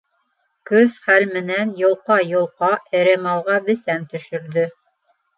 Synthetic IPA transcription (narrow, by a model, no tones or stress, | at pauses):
kɵzχælmɘ̆nænjŏlˠqɑjŏlˠqɑʔɘ̆ɾɘmɑlˠʁɑbɘ̆sænt̪ɵ̆ʃɵ̆ɾðɵ